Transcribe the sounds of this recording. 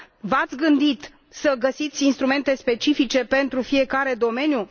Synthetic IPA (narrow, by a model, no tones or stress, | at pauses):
vat̪sʲɡɨnd̪it̪ | səɡəsit̪sʲinst̪ɾume̞nt̪e̞spe̞t͡ʃifit͡ʃe̞pe̞nt̪ɾufie̞kaɾe̞d̪o̞me̞nju